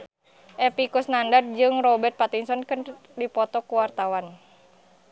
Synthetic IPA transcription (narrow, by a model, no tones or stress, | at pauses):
ʔɛpikusnandard̪̚d͡ʒɨŋrɔbɛrt̪̚pat̪iŋsɔnkɨn | dipɔt̪ɔkuwart̪awan